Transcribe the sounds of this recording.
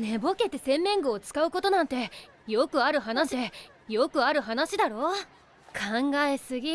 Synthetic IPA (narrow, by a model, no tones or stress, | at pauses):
nebo̞ke̞t̪ːe̞sẽ̞mːẽ̞ŋɡoːt͡sɨ̥kaɯ̟ko̞t̪o̞nãnt̪e̞ | jo̞kɯ̟aɾɯ̟ɦanaɕd̪e | jokɯ̟aɾɯ̟ɦanaɕid̪aɾo̞ː | kʰãŋɡaesɨɡʲi